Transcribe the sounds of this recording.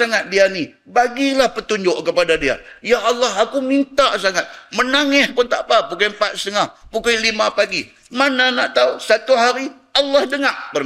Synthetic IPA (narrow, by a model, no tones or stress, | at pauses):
aŋat̪̚diani | baɡilahpət̪uɲd͡ʒʊʔkəpadadia̰jaʔːlːaɦakumint̪aʔsaŋat̪̚mənaŋɛhpʊnt̪a̰ʔpapukajmpat̪̚st̪əŋahpukajlimapaɡi | mananaʔt̪ausat̪uɦaɾi | ɑlːahdəŋaʔbə